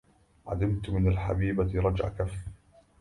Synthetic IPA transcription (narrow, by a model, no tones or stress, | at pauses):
ʕa̰lɪmt̪mɪnalħa̰biːbaɾˤɑd͡ʒʕa̰kaf